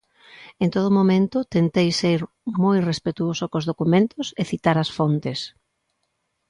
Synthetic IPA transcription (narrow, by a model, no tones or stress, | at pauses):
ent̪oðʊmomẽnt̪ʊt̪ent̪ejsejɾ | mojrespet̪uosʊkozðokumẽnt̪ʊseθit̪aɾɐsfont̪es